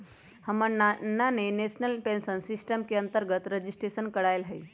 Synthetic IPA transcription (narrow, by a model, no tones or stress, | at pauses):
həmənnːanenesnəlpẽnsənsisʈəmkeə̃nt̪əɾɡət̪ɾəd͡ʑisʈɾesənkəɽajlɦəj